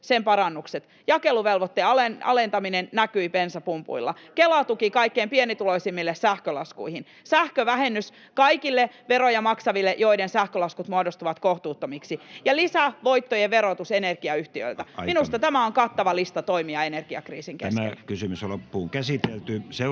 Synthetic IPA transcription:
sempɑɾɑnːukset̪ | jɑkeluʋelʋot̪ːeɑlenɑ̰lent̪ɑminennækyipensæpumpṵilːɑ̰kelɑt̪ukikɑikːeːmpienit̪uloisimːilːessæhkølɑskuihin | sæhkøʋæhenːys | kɑikilːeʋeɾojɑmɑksɑʋilːeʔjo̞idensæhkølɑskut̪muodost̪uʋɑt̪koht̪uːt̪ːomiksijɑlisæʋo̞it̪ːojeʋeɾot̪usenerɡ̥iɑyht̪iø̰ilt̪æminust̪ɑt̪æmæoŋkɑt̪ːɑʋɑlist̪ɑt̪oimiɑenerɡ̥iɑ̰krḭːsiŋkeæ̰smæḛkysymyslopːuːŋkæsit̪elt̪yse

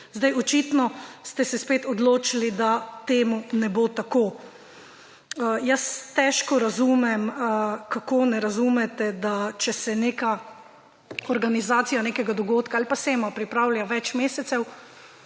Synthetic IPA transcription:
zd̪ajɔt͡ʃiːt̪nɔst̪ɛsɛspeːt̪ɔd̪loːt͡ʃilid̪at̪eːmunɛboːt̪akoː | əjɐst̪ɛːʃkɔɾazuːmɛmkakonɛɾazumɛt̪ɛd̪at͡ʃɛsɛneːka | ɔɾɡanizaːt̪sijanekɛɡad̪ɔɡoːt̪kaalipaseːmapɾipɾaːwlʲjaʋɛt͡ʃmeːsɛt̪sɛw

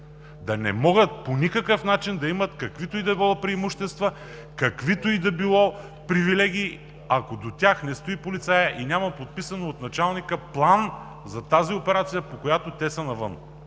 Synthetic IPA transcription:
d̪ɐnɛ̰mɔɡət̪̚ponʲikəkəfnat͡ʃind̪ɐimɐt̪kɐkvit̪oid̪ɐbilˠɔpɾiɛmuʃt̪ɛst̪vɐ | kɐkvit̪oid̪ɐbilˠɔ | pɾivilɛɡ̟iː | ɐkod̪ot̪ʲaxnɛst̪oipolit̪sajəʔinʲamɐpot̪̚pisɐnoot̪nɐt͡ʃalˠnikəplˠan | zɐt̪aziopɛɾat̪sijɐpokojat̪ot̪ɛsənɐvə̰n

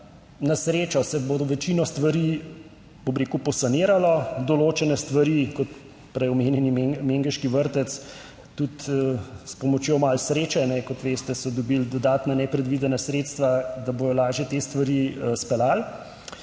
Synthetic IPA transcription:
nasɾeːt͡ʃɔsɛbod̪ɔʋɛt͡ʃiːnɔst̪ʋaɾi | ɔbɾeːkupɔsaneːɾalɔd̪ɔloːt͡ʃɛnɛst̪ʋɐɾiːkɔt̪ | pɾɛjɔmeːnjɛnimmeŋɡɛʃkiʋəɾt̪ɛt̪s | t̪ut̪spɔmɔt͡ʃjomalsɾeːt͡ʃɛnɛkɔt̪ʋeːst̪ɛsɔd̪ɔbild̪ɔd̪aːt̪nanɛpɾɛd̪ʋid̪ɛnasɾeːt̪st̪ʋad̪aboːjɔlaːʒjɛt̪eːst̪ʋɐɾispɛlal

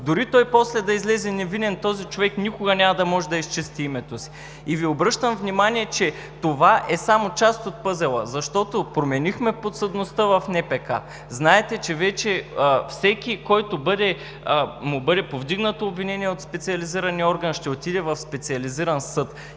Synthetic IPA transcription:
d̪ʊɾit̪ɔjpɔslɛd̪ɐizlɛzɛnɛvinɛnt̪ɔzit͡ʃovɛknʲikʊɡɐnʲamɐd̪ɐmɔʒɛd̪ɐist͡ʃɛst̪iimɛt̪osi̥ː | viobɾɤʃt̪əmvnʲimanʲiɛt͡ʃɛ | t̪ovaʔɛsamot͡ʃast̪ot̪̚pɤzɛlˠə̰zɐʃt̪ɔt̪opɾomɛnixmɛpot̪səd̪nost̪əvɐfnɛpɛka̰ | znaɛt̪ɛt͡ʃɛvɛt͡ʃɛfsɛkʲikɔjt̪obɤd̪ɛ | mʊbɤd̪ɛpovd̪iɡnət̪oːbvinɛniɛot̪spɛt̪sʲiɐliziɾɐniɔɾɡənʃt̪ɛot̪id̪ɛvɐfspɛt̪siɐliziɾɐnsɤt̪

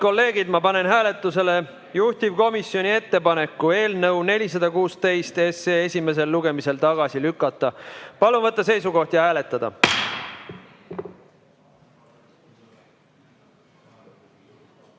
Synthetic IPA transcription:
ko̞lːe̞ːɡ̥id̪mɑpɑne̞nɦæːle̞t̪ːˑuse̞le̞ | juht̪ivko̞misjo̞nʲie̞t̪ːe̞pɑne̞kːue̞ːlnɤwne̞lʲis̬ɑd̪̥ɑkuːst̪e̞jst̪e̞seːesʲime̞s̬e̞lːuɡ̥e̞mise̞lt̪ɑɡ̥ɑsilykːˑɑt̪ːˑɑpɑlunvɤt̪ˑːɑs̬e̞jsuko̞ht̪jɑhæːle̞t̪ːˑɑd̪̥ɑ̰

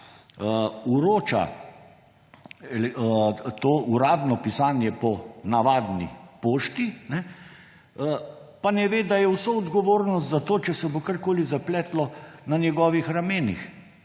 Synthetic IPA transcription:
uɾoːt͡ʃa̰ | lt̪oːʔuɾaːd̪nɔpisaːnjɛpɔnaʋaːd̪nḭpoːʃt̪inɛ | panɛʋeːd̪ajɛwsoɔd̪ɡɔʋoːɾnɔs̬t̪zat̪oːt͡ʃɛsɛbokaɾkoːlizaplɛːt̪lɔnanjɛɡɔːʋixɾameːnḭx

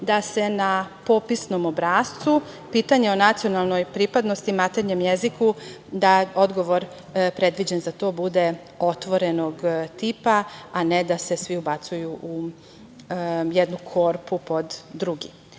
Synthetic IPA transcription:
d̪ase̞napo̞pisno̞mobɾaːst̪u | piːt̪aɲeonat̪sio̞nalˠno̞jpɾipad̪no̞st̪imat̪eɾɲemjezikud̪ao̞d̪ɡo̞ʋo̞ɾ | pɾe̞d̪ʋid͡ʑenzat̪o̞ːbud̪e̞ | o̞t̪ʋo̞ɾe̞no̞ɡt̪iːpaaned̪ase̞sʋiubat̪sujuʔu | jed̪nukʰo̞ːɾpupo̞d̪ːɾuɡḭ

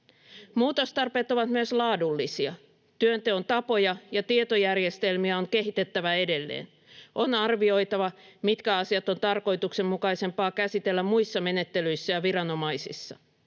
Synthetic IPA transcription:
muːt̪o̞st̪ɑrpe̞ːt̪oʋɑt̪myøslɑːdulːisiɑ | t̪yønt̪eont̪ɑpo̞jɑjɑt̪iet̪ojærje̞st̪e̞lmiæoŋke̞ɦit̪e̞t̪ːæʋæe̞de̞lːḛːn | ʔo̞nɑrʋio̞jt̪ɑʋɑ | mit̪kæɑsiɑt̪o̞nt̪ɑrko̞jt̪ukse̞mːukɑjse̞mpɑːkæsit̪e̞lːæmmuisːɑme̞ne̞t̪ːelyjsːæjɑʋirɑno̞mɑjsḭsːɑ

